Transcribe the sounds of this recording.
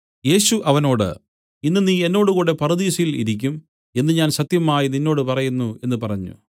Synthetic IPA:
je̞ːɕuʔɐʋɐno̞ːɽɨ̰ | inːɨniːe̞nːo̞ːɽuɣuːɽe̞pɐrɨðiːsjilḭɾik̬ʲːum | e̞nːɨɲaːnsɐt̪jɐmaːjininːo̞ːɽɨpɐrɐjunːue̞nːɨpɐrɐɲːṵ

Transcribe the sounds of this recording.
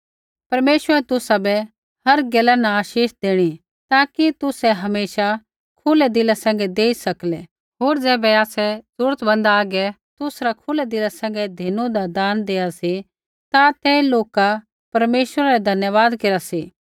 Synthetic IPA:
pɐɾmeːʃʋəɾɛt̪ʊsabɛ | hɐɾɡɛlanãaːʃiːʃd̪eːɽ̃i | t̪aːkit̪ʊsɛɦɐmeːʃa | kʰʊlɛd̪ɪlasɛ̃ːŋ̆ɡɛd̪eːisɐklɛ | ɦoːɾd͡ʒɛːbɛaːsɛsʊɾət̪bɐ̃nd̪aaːɡɛ | t̪ʊsɾakʰʊlɛd̪ɪlasɛ̃ːŋɡɛd̪ʱinũd̪ad̪aːnd̪eːasi | t̪at̪ɛːloːka | pɐɾmeːʃwəɾaɾɛd̪ʱɐnjəʋaːd̪keɾasiː

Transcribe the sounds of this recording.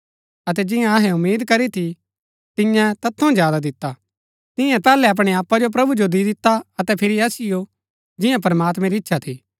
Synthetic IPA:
ɐt̪̬ɛd͡ʒɪ̃jãɐɦɛʊmːiːd̪kɐɾit̪ʰi | t̪ɪ̃jãt̪ɐt̪ʰːõd͡ʒjaːd̪ad̪ɪt̪ːa | t̪ɪjãpɛːlɛɐp̬ɽ̃ɛaːpːad͡ʒop̬ɾɐbud͡ʒod̪id̪ɪt̪ːaɐt̪ɛpʰɪɾiɐsɪjo | d͡ʒɪjãp̬ɐɾmaːt̪mɛ̃ɾiɪtːʃʰat̪ʰiː

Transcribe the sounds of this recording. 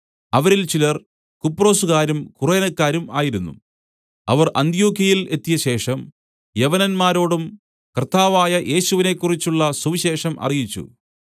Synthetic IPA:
ɐʋɐɾilt͡ɕilɐr | kupːro̞ːsuɣaːɾumkureːnɐkːaːɾumaːjiɾunːṵ | ɐ̰ʋɐrʔɐ̰nd̪ijo̞ːkjɐjile̞t̪ːijɐɕe̞ːʂɐm | jeʋɐnɐnmaːɾo̞ːɽum | kɐrt̪ːaːʋaːjɐʔe̞ːɕuʋine̞kːurit͡ɕːuɭːɐsuʋiɕe̞ːʂɐmʔɐ̰rijit͡ɕːṵ

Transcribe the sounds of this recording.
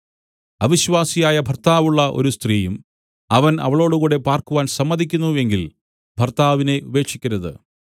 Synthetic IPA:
ɐʋiɕʋaːsijaːjɐbʱɐrt̪aːʋuɭːɐʔo̞̰ɾust̪riːjum | ɐʋɐnɐ̰ʋɐɭo̞ːɽukuːɽe̞paːrkuʋaːnsɐmːɐðʱikʲːunːue̞ŋɡil | bʱɐrt̪aːʋine̞ube̞ːkʂikʲːɐɾɐðɨ̰

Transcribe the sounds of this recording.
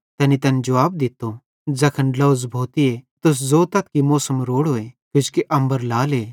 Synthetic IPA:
t̪ɛːnit̪ɐned͡ʒɐʋaːb̚d̪ɪt̪ːo | d͡zɐkʰənlɐːzbʱoːt̪iet̪ʊs̬zoːt̪ɐt̪̚kimoːsəmɾoːɽɦoːekjʊt͡ʃʰkeʔɐ̃mbəɾlaːleː

